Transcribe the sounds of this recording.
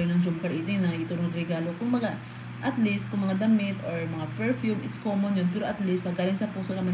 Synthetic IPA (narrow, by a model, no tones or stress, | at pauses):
jonɐŋd͡ʒʊmkɐɾʔiːt̪ɪŋnɐɪt̪uɾod̪ɾɛɡaːlo̞kʊŋbɐɡa | ʔɐt̪list̪̚kʊŋmɐŋad̪ɐmɪt̪ʔoɹmɐŋapɛɹfjumɪskoːmonjonpɛːɾoʔɐt̪list̪mɐɡaːlɪŋsɐpuːsonɐmɐ